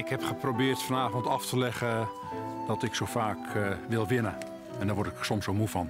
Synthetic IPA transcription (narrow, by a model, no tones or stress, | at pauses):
ɪkhɛpχəprobɪːrtfɔnaːvɔntɑftəlɛχə | dɔtɪksowfaːkʋɪlˠʋɪnə | ɛndɔʋɔɹtɪksɔmsomufɔn